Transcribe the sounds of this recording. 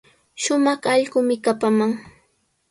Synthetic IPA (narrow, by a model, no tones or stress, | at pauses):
ʃʊmɑχɑʎɢʊmɪkapamaŋ